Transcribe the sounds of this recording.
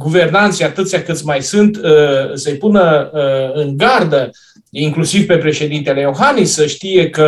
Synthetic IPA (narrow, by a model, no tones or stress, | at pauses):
ɡuve̞rnant̪sijat̪ɨt̪sʲjakɨt̪sʲmajsɨnt̪səjpunə | ɨŋɡard̪ə | iŋklusivpe̞pɾe̞ʃe̞d̪int̪e̞le̞jo̞xanisːəʃt̪ije̞kə